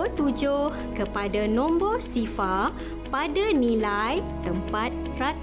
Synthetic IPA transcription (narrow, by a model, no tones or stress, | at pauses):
t̪ud͡ʒʊhkəpadanɔ̃mbɔsifa | padanĩlajt̪əmpat̪̚ | ra